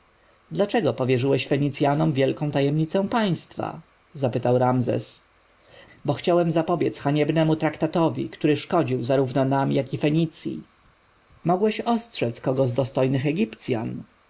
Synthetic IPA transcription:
d̪lat͡ʂɛɡɔpɔvʲjɛʐɘwɛɕfɛɲit̪sʲjanɔmvʲjɛlkɔ̃t̪ajɛmɲit̪sɛ̃w̃paj̃st̪fa̰ | zapɘt̪awɾamzɛ̰s | bɔxt͡ɕawɛmzapɔbʲjɛt̪sxaɲɛbnɛmut̪ɾakt̪at̪ɔvʲḭkt̪uɾɘʂkɔd͡ʑiwzaɾuvnɔnamjakifɛɲit̪sʲjḭ | mɔɡwɛɕɔstʂɛt̪skɔɡɔzd̪ɔst̪ɔjnɘxɛɡʲipt̪sʲja̰n

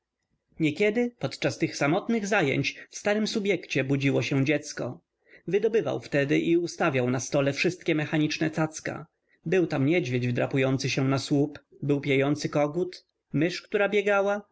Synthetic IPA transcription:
ɲɛkʲɛd̪ɘpɔt̪t͡ʂast̪ɘxsamɔt̪nɘɣzajɛ̰ɲt͡ɕfst̪aɾɘmsubʲjɛkt͡ɕɛbud͡ʑiwɔɕɛ̃d͡ʑɛt̪skɔ̰ | vɘd̪ɔbɘva̰wft̪ɛd̪ɘʔiust̪avʲjawnast̪ɔlɛfʂɘst̪kʲɛmɛxaɲit͡ʂnɛt̪sat̪ska̰ | bɘwt̪amɲɛd͡ʑvʲjed͡ʑvd̪ɾa̰pujɔnt̪sɘɕɛ̃naswup | bɘwpʲjejɔnt̪sɘkɔɡut̪ | mɘʂkt̪uɾabʲjɛɡawa

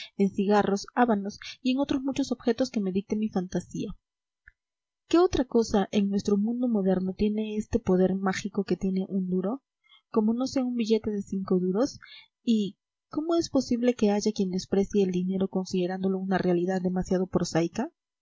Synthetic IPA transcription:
e̞nsiɣaro̞saβano̞sie̞ŋo̞t̪ɾozmut͡ʃo̞so̞βxe̞t̪o̞ske̞me̞ðik̚t̪e̞mifant̪asia | ke̞o̞t̪ɾako̞saʔe̞ŋnwe̞st̪ɾo̞mũnd̪o̞mo̞ðe̞ɾno̞t̪je̞ne̞est̪e̞po̞ðe̞ɾmaxiko̞ke̞t̪je̞ne̞ʔund̪uɾo̞ | ko̞mo̞no̞se̞aumbiʝe̞t̪eðe̞siŋko̞ðuɾo̞s | i | ko̞mo̞e̞spo̞siβle̞ke̞aʝakje̞nd̪e̞spɾe̞sjeːld̪ine̞ɾo̞ko̞nsiðe̞ɾand̪o̞lo̞unarealiðaðːe̞masjað̞o̞pɾosajka

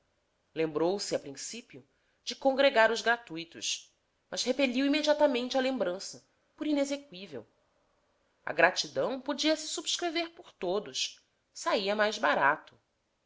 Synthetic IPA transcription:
lẽmbɾowsɪapɾĩsipiʊ | d͡ʒɪkõŋɡɾeɡaɾʊzɡɾat̪ujt̪ʊ̰ʃ | mɐzhepeʎiwimed͡ʒiat̪amẽnt͡ʃɪɐlẽmbɾɐ̃sɐ | pʊɾinezekwivḛw | ɐ̰ɡɾat͡ʃid̪ɐ̃w̃pod͡ʒiɐsɪ̥subɪʃkɾeveɾpoɾt̪od̪ʊʃ | saiɐmajzbaɾat̪ʊ̥

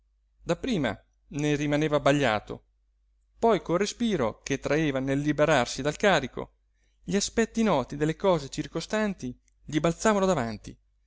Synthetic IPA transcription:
d̪apːɾiːma̰ | nerimaneːvabaʎːa̰ːt̪o̰ | pɔjkorespiːɾoket̪ːɾaeːvanelːibeɾarsid̪alkaːɾiko̰ | ʎiaspɛt̪ːinɔːt̪id̪elːekɔːzet͡ʃirkost̪ant̪i | ʎibalt̪saːvanod̪avant̪ḭ

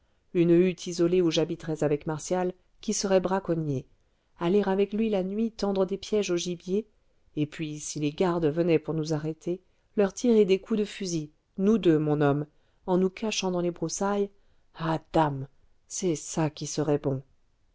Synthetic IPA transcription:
ynyt̪ʰizɔleuʒabit̪χɛzavɛkmaʁsjal | kʲisəʁɛbʁakɔnje | aleʁavɛklɥilanɥit̪ɑ̃d̪ʁəd̪epjɛʒoʒibjeː | pɥisileɡaʁd̪vənɛpuʁnuzaʁet̪ʰe | lœʁt̪ʰiʁed̪ekud̪əfyzi | nud̪ømɔ̃nɔm | ɑ̃nukaʃɑ̃d̪ɑ̃lebʁusaj | ad̪̥am | sɛsakʲisəʁɛbɔ̃

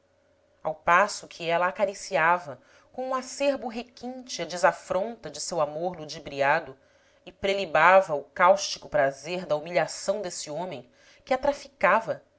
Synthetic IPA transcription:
a̰wpasʊkʰiɛlɐːkaɾisiavɐ | kõũaseɾbʊɦekĩnt͡ʃɪɐd͡ʒɪzafɾõnt̪ɐd͡ʒɪsewamoɾlud͡ʒibɾiad̪ʊ | ɪpɾelibavɐʊkawʃt͡ʃikʊpɾazeɾd̪ɐumiʎasɐ̃w̃d̪esiõmẽj̃ | kʲɪat̪ɾafikavɐ

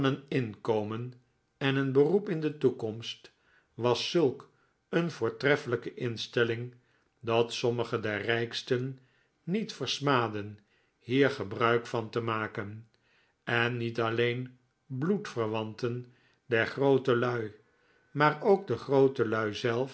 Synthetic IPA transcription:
nənɪnkowmən | ɛnənbərupɪndətukɔmst | ʋɑsːɵlˠk | ənvʊːɹtrɛfələkəʔɪnstɛlɪŋ | dɑtsɔməχədɛɹrɛjkstənː | itfəɹsmaːdən | hiːɹχəbrœɥkfɑntəmaːkən | ɛnːitɑlejn | blutfəɹʋɑntən | dɛɹχrowtəlœɥ | maːɹowɡ̚dəχrowtəlœɥzɛlˠf

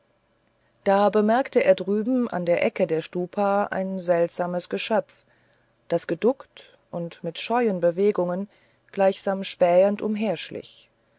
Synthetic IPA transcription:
d̥aːbəmɛɐktəʔeːɐdʁyːbm̩ʔa̰ndeːɐʔɛkədeːɐʃtuːpʰaa̰ɪnzɛltz̥aːməsɡ̥əʃœpp͡f | d̥asɡ̥ədʊkt | ʔʊntmɪtʃɔʏənbəveːɡʊŋən | ɡ̥laɪçz̥aːmʃpɛːəntʔʊmɦeːɐʃlɪ̰ç

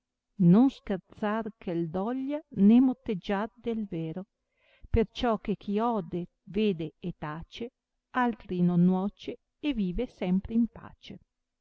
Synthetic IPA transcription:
nonskert̪sarkʰeld̪ɔʎːanemot̪ːed͡ʒːard̪elveːɾo | pert͡ʃɔkːekʰiɔːd̪e | veːd̪eːt̪aːt͡ʃe | alt̪ɾinonːwɔːt͡ʃeː | viːvesɛmpɾeimpa̰ːt͡ʃe

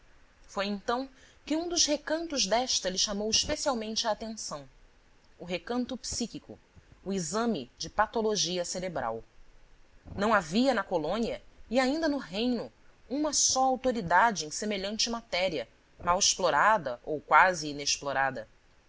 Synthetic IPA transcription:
fojẽnt̪ɐ̃w̃kɪũd̪ʊzhekɐ̃nt̪ʊzd̪ɛʃt̪ɐlɪʃamowiʃpesiawmẽnt͡ʃɪaːt̪ẽsɐ̃w̃ | ʊɦekɐ̃nt̪ʊpsikikʊ̰ | ʊizɐ̃mɪd͡ʒɪpat̪oloʒiɐseɾebɾa̰w | nɐ̃w̃aviɐnɐkolõniɐiaĩnd̪ɐnʊɦẽj̃nʊ | ũmɐsɔawt̪oɾid̪ad͡ʒɪẽj̃semeʎɐ̃nt͡ʃɪmat̪ɛɾiɐ | mawɪʃploɾad̪ɐʔowkwazɪːneʃploɾad̪ɐ

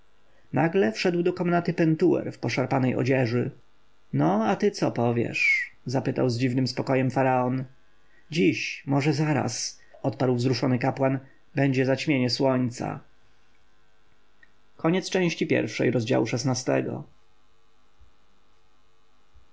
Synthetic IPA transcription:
naɡlɛfʂɛd̪wd̪ɔkɔmnat̪ɘpɛnt̪uwɛ̰ɾfpɔʂaɾpanɛjʔɔ̰d͡ʑɛʐɘ | nɔat̪ɘt̪sɔpɔvʲjɛ̰ʂzapɘt̪a̰wzd͡ʑivnɘmspɔkɔjɛmfaɾaɔn | d͡ʑiɕmɔʐɛzaɾa̰s | ɔt̪paɾwvzɾuʂɔnɘkapwan | bɛɲd͡ʑɛzat͡ɕmʲjeɲɛswɔɲt̪sa̰ | kʰɔɲɛt̪st͡ʂɛ̃w̃ɕt͡ɕipʲjɛ̰ɾfʂɛ̰jɾɔzd͡ʑa̰wuʂɛsnast̪ɛ̰ɡɔ̰

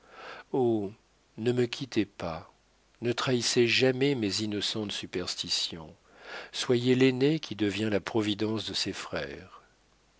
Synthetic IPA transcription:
o | nəməkʲʰit̪epa | nət̪χaiseʒamɛmezinɔsɑ̃t̪sypɛʁst̪isjɔ̃ | swajelenekʲʰid̪əvjɛ̃lapχɔvid̪ɑ̃sd̪əsɛfχɛ̰ːʁ

